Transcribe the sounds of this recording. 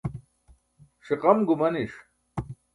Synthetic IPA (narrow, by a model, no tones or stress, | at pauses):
ʂiqɐmɡumɐniʂ